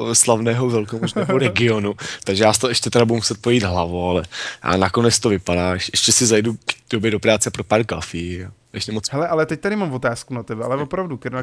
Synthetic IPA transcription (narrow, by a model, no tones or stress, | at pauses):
slavnɛːɦovɛlkomoʒnɛɦoɾɛɡɪonut̪aɡʒɛjaːst̪oɛʃcɛt̪ɛɾabudumusɛt̪̚pɾojiːd̪ɦlavoalɛjʔa̰ːnako̞nɛt͡st̪ovɪpadaːɛʃʔɛʃcɛsɪzajdud̥o̞bjɛdo̞pɾaːt͡sɛapɾopaːɾkafi | ʔɛ̰ʃcɛmot͡sɦɛlɛʔalɛt̪ɛc̚t̪adɪmamvot̪aːskunat̪ɛbɛʔalɛvopɾavdukɛɾna